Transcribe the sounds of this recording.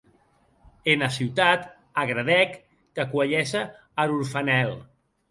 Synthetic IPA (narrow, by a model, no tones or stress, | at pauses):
enasiwt̪at̪ | aɣɾaðɛkː | əkwaʎɛsəː | ɾuɾfanɛl